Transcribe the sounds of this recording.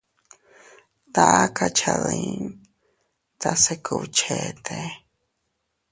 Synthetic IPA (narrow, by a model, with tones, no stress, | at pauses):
t̪a˨a˦ka˧t͡ʃʰa˧ðĩ˧ | t̪a˧se˧kʰu˧t͡ʃʰe˨t̪ʰe˨